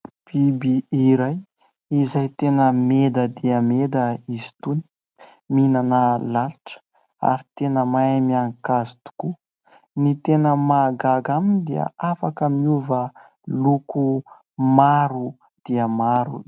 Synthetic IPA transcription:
b̥ibiiɾaj | izajt̪enəmed̪əd̪iəmed̪əizi̥t̪uni̥ | minanəlaluʈ͡ʂə̥ | a̰ɾit̪enəmaemiaŋkazi̥t̪u̥ku | nit̪enəmaɡaɡamind̪iə̰afakəmiuvə | luku | maɾu | d̪̥iəmaɾṵ

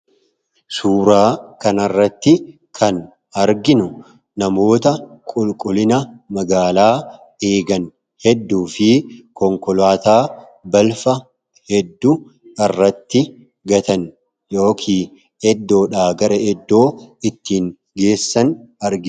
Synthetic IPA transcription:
suːɾaːkɐnɐrːɐt̪ːɪ | kʰɐn | ɐɾɡɪnʊ | nɐmo̞ːt̪ɐkʼʊlkʼʊlɪnɐmɐɡaːlaː | e̞ːɡɐn | hɛd̪ːuːfɪkɔŋkɔlaːt̪aː | bɐlfɐ | hɛd̪ːu | ɐrːɐt̪ːɪ | ɡɐt̪ɐn | jo̞ːkʰiː | ɛd̪ːo̞ːᶑaːɡɐɾɐɛd̪ːo̞ːɪt̪ːiːŋ | ɡe̞ːsːɐnɐɾɡɪ

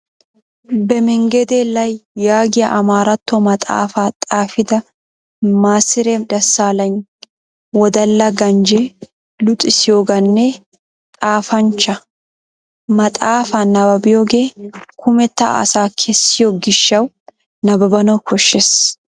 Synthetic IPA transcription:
bɛmɪŋɡɛd̪eːlːɐjːaːɡɪjɐʔɐmaːɾɐt̪ːɔmɐt̪ʼa̰ːfaːt̪ʼaːfɪd̪ɐ | maːsɪɾɛd̪ɐsːaːlɐn | wɔd̪ɐlːɐɡɐnd͡ʒe | lʊt̪ʼɪsɪjoːɡɐnːɛ | t̪ʼaːfɐnt͡ʃːɐ | mɐt̪ʼaːfanɐbɐbɪjoːɡeːkʰʊmɛt̪ːɐ̰ɐ̰saːkʰɛsːɪjoɡɪʃːɐw | nɐbɐbɐnɐwkʰɔʃːes

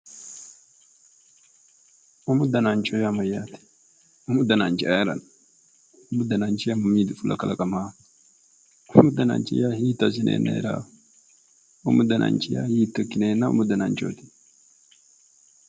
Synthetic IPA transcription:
ʔʊmʊd̪ɐnaːnt͡ʃʼɔjamɐjːaːt̪ɛ̥ | ʊmʊd̪ɐnant͡ʃɪʔajɾɐ̰n | ʊmʊd̪ɐnaːnt͡ʃɪjamʊmiːd̪ʊfʊlɐ̰kɐlɐkʼɐma | ʊmʊd̪ɐna̰ːnt͡ʃɪ̰jaːhiːt̪ːɐs̬ɪnʔḛːnːɐ̰ɛ̰ɾa̰ː | ʊ̰mʊd̪ɐnʔa̰ːnt͡ʃɪja̰ːhiːt̪ːɔkːɪneːnːaʊ̰mʊd̪ɐnaːnt͡ʃoːt̪ɪ̥

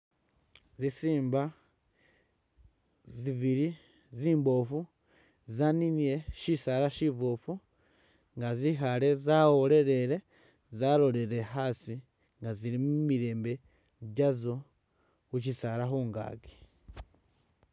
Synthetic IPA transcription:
zisiːmba | ziβiɾi | ziːmbo̞fu | zaninije̞ʃisaɾaʃiβofu | ŋɡazixale̞zawole̞ɾe̞ɾe̞ | zalo̞le̞ɾe̞xasi | ŋɡazilimumiɾe̞ːmbe̞ | ɟazo̞ | xuʃisaɾaxuːŋɡa̰ːɡe̥

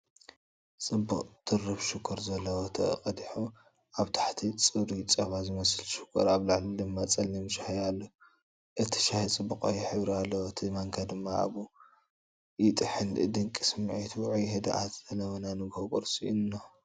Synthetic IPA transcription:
t͡sʼɨbuqʼt̪ʰɨrɨβʃɪkʰːoɾzɐlːɐwot̪ʰɐ̰ɨ̰qʼɐd̪iħu | ʔaβt̪ʰḁħt̪ʰit͡sʼɨβɾit͡sʼɐβazɨmɐsɨlʃɪ̥kʰːoɾaβlaʕlid̪ɨmːat͡sʼɐlimʃahjalːɐ | ʔɨt̪ʰːɨ̥ʃahit͡sʼɨbːukʼa̰juħɨβɾialːɐwoɨt̪ʰimaŋkʰad̪ɨmːaa̰βu | jɪt̪ʼɨħɨnɨ̰d̪ɨŋkʼi̥sɨmʕit̪ʰuʕujɦɨd̪a̰ʔat̪zɐlɐwɐnanɨɡokʼɔ̰ɾsiunːo

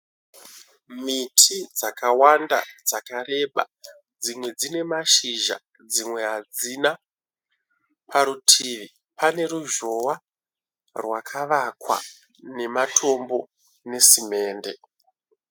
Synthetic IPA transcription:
mitʰid͡zakawanda̰d͡zakaɾe̞ɓa̰ | d͡zimwe̞d͡zine̞maʃiʒa̰ | d͡zimwe̞ɦad͡zina | pʰaɾutʰiːʋi | pane̞ɾuʒo̞wa | rwakʰaʋakwa̰ | ne̞matʰo̞mbo̞ | ne̞sime̞ːnde̞

